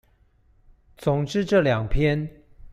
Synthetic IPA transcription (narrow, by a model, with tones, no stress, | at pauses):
t͡sʊ˨˩ŋʈ͡ʂɻ̩˥˧ʈ͡ʂɤ˥˩ljɑ˨˩ŋpʰjɛ˥n